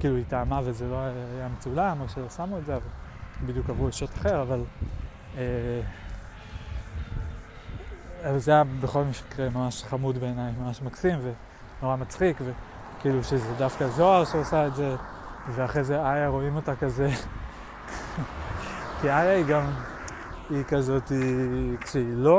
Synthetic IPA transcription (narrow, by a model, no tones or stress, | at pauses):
kiːluitaːmavezeloajamet͡sulano̞ʃe̞lo̞samue̞tzeavalbid̪jukavʁueʃotḁχe̞ʁaval | e | avalzajabe̞χo̞lmiʃkʁemamaʃχamudbe̞ːnajmamaʃmaksimve̞ | noʁamat͡sχikve̞ | kiiluʃezedafkazo̞aʁʃeosaetze̞ | ve̞aχʁejzeajaʁo̞imo̞takaze̞ | kiajaiɡam | ikazo̞tikʃeilo̞